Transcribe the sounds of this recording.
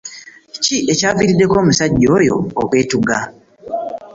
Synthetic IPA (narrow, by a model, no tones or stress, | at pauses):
ciʔe̞caːviɾidːe̞ko̞ːmusaɟːo̞ːjo̞̰ːkwe̞ːtuɡa